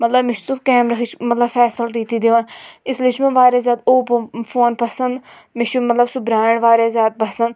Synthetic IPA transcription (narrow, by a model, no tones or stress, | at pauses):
mɐt̪ləbmɪʃsufkɛːmɾɐkit͡ʃmɐt̪ləbfʰɛːsəlʈiːt̪iːd̪eʋaːnɪslit͡ʃmẽʋaːɾaːzjaːt̪oːpfʰoːnpɐsənd̪ | mɪʃumɐt̪ləbsʊbɾaːɪɳʋaːɾaːzʲjaːt̪̚pɐsənd̪